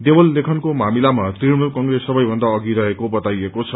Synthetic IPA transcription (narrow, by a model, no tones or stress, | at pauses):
d̪ebʌlːekʰʌnkomamilamat̪irmulkʌŋɡresʌbʌjbʱʌnd̪aʌɡiɾʌɦekobʌt̪ajekot͡sʰʌ